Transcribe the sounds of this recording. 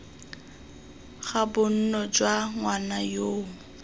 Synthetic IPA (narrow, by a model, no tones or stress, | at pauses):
ɣabʊn̩nɔd͡ʒwaŋwanajoːŋ̩